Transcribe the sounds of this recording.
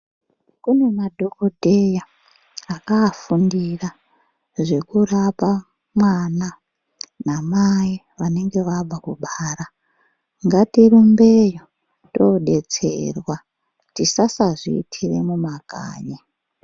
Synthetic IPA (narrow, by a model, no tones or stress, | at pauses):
kune̞madʱo̞kodʱejaː | kaːfundira | ʐe̞kurapa | mwana | namaji | ʋane̞ŋɡe̞ʋab͡vakuɓaːra | ŋɡatirumbe̞jo | toɗe̞t͡sḛrwa | tisasaʐḭːtʰire̞̰mumaɡ̥ʱa̰ːɲe